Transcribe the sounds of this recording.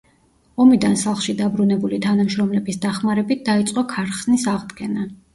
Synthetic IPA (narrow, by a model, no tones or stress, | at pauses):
ɔmid̪ansalˠχʃid̪abɾunɛbulit̪ʰanamʃɾɔmlɛbisd̪aχmaɾɛbit̪̚ʰd̪ait̪sʼqʼɔkʰaɾχsnisaʁd̪ɡɛna